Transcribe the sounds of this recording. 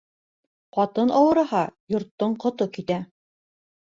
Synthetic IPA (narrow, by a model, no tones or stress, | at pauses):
qɑt̪ɤnʔɑwɤ̆ɾɤ̆hɑjŏɾt̪ːoɴqŏt̪okit̪æ